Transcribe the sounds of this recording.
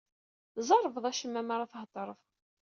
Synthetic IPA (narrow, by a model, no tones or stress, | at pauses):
zˤɑɾˤəvðˤæʃəmːæmaɾˤɑθɦt̪ˤːəɾˤəv